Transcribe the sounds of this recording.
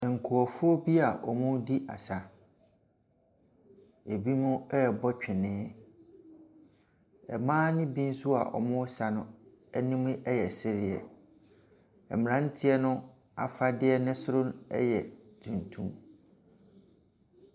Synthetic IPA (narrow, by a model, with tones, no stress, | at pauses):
ŋ̩˨kʰu˨ɔ˨fʊ˦ɔ˦bi˦a˨ʔɔ˨mʊ̃˦di˦ʔa̰˨sa˦ | e˨bi˦nʊ̃˦ɛ˦bɔ˦t͡ɕᶣɪ˨nɪ̃ː˦ | ɛ̰˨mãː˦nɪ̃˦bi˦n̩˦su˦a̰˨ʔɔ̰˨mʊ̃˦sa˨nʊ̃˦ | ɛ˦nĩ˦mʊ̃˦ʔɛ˦jɛ˨sɪ˦ɾɪ˨ɛ̰˨ | ɛ˨mɪ̃˨ɾã˦n̩˦tʰɪ˦ɛ˦nʊ̃˦ | a̰˨fa˦dɪ˦ɛ˦nɪ̃˦sʊ˦ɾʊ̃˦nɛ̰˦jɛ˨dĩ˨ntʰṵ̃˦m